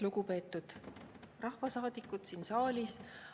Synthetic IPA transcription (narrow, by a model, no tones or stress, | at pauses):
luɡ̥upe̞ːt̪ːˑud̪̥ | rɑhvɑsɑːd̪̥ikːˑut̪siːnsɑːlʲis